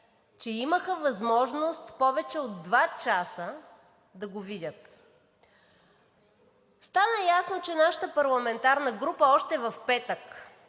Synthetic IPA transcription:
t͡ʃɛiməxəvɐzmɔʒnost̪pɔvɛt͡ʃɛod̪ːvat͡ʃasə | d̪ɐɡovidʲət̪ | st̪anəjasnot͡ʃɛnaʃə̥t̪əpɐɾlˠɐmɛnt̪aɾnəɡɾupəɔʃt̪ɛvɐfpɛt̪ək

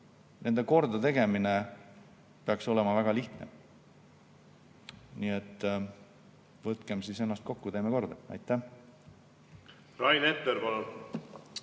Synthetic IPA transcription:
ne̞nd̪e̞ko̞rd̪ɑt̪e̞ɡe̞mine | peɑkso̞lɛmɑvæɡ̥ɑliht̪nḛ | niet̪ːˑ | vɤt̪ˑkemsise̞nːɑst̪̚ko̞kːut̪e̞ːmeko̞rd̪̥ɑɑ̰jt̪ˑːæh | rɑjnet̪ːˑeɾpɑlɑ

